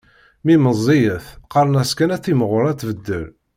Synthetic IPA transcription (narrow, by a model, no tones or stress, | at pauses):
miməzˤːijəθqɑɾˤənæskænæθiməʁʊɾˤæt̪ːvəd̪ːə̰l